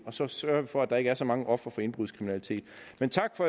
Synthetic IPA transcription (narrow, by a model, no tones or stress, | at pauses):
ɒ̽sɒ̽sɶɐʋifɒ̽æd̥ɑe̝ɡ̥əæɐsɒ̽mɑ̈ŋəʔɒ̽fʁɐfɒ̽e̝nb̥ʁuðˠskʰʁiminælit͡sʰe̝̰ːd̥ment͡sʰɑ̈ɡ̥fɒ̽